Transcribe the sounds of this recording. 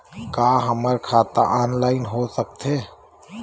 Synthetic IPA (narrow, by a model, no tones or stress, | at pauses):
kaːɦəməɾkʰaːt̪a̰ʔaːnlaːɪnɦoːsək̚t̪ɦeː